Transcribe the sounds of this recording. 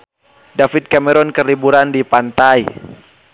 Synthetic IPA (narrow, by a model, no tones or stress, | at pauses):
dafit̪̚kamɛɾɔnkərlibuɾandipant̪ai